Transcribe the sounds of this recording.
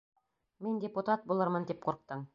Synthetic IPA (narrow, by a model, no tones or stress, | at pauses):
mindʲɪput̪at̪̚bulˠɤɾmɤnd̪ip̚qʰŏɾq̚t̪ɤɴ